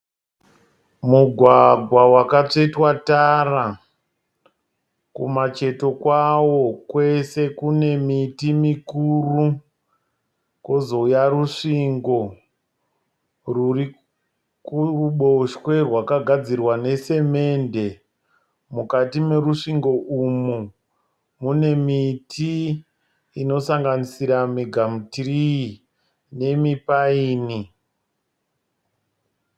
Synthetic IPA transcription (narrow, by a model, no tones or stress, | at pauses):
muɡʱwaɡʱwawakat͡ʂe̞twatara | kṵmat͡ʃe̞to̞kwawo̞kwe̞se̞kune̞mitimikuːru | ko̞zo̞jaruʂiŋɡo̞ | ruri | kuɓoʃwe̞rwakaɡʱad͡zirwane̞se̞me̞nde̞ | mukatime̞ruʂiŋɡo̞ʔumu | mune̞mitʰiː | no̞saŋɡanisiɾamiɡʱamutirii | ne̞mipaiːni